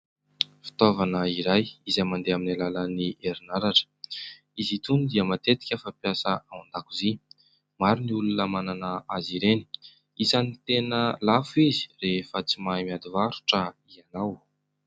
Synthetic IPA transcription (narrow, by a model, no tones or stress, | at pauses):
fi̥t̪ovanəiɾajizamand̪eaminalaləniʔeɾinaɾaʈ͡ʂə̥ | izit̪unud̪iəmat̪et̪i̥kʲəfapjasəaand̪akuzi | maɾuniulunəmananəaziɾeni̥ | isanit̪enəlafuizi̥refət͡simajmiad̪ivaɾu̥ʈ͡ʂəianaw